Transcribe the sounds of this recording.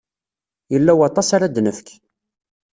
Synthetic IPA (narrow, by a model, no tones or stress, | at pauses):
jəlːæwɑt̪ˤɑsaɾad̪nəfk